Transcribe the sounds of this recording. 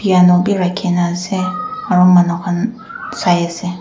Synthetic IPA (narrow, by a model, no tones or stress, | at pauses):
b̥ianɔbiɾakʰenãsɛaɾʊmãnɔka | sajɛsɛ